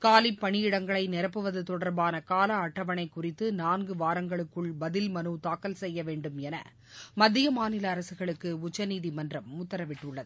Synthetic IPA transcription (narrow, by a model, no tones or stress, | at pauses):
kaːlipːɐɳɪjɪɽɐŋɡɐɭɐɪnɪɾɐpːɯʋɐðɯt̪ɔɽɐɾbaːnɐkaːlɐːʈːɐʋɐɳɐɪkːʊrɪt̪ːɯnaːnɡɯʋaːɾɐŋɡɐɭɯkːɯɭbɐðɪlmɐnɯt̪aːkːɐlsɛjːɐʋeːɳɖɯmɛnɐ̰ | mɐd̪ːɪjɐmaːnɪlɐːɾɐsɯɣɐɭɯkːɯʊt͡ʃːɐniːðimɐndrɐmʊt̪ːɐɾɐʋɪʈːɯɭːɐðɯ